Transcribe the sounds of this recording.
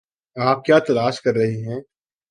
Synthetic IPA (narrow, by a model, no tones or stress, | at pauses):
aːp̚kjaːt̪ɐlaːʃkɐɾːɐɦiɦɛ̃ː